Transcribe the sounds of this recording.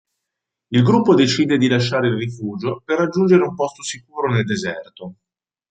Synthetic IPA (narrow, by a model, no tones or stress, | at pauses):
ilɡɾupːod̪et͡ʃiːd̪ed̪ilaʃːaːɾeilrifuːd͡ʒoperːad͡ʒːund͡ʒeɾeumpɔst̪osikuːɾoneld̪ezɛrt̪o